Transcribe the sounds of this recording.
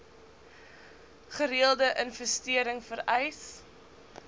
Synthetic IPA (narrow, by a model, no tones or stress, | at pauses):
χəɾiəlˠdəʔənfəstiəɾəŋfəɾɛjs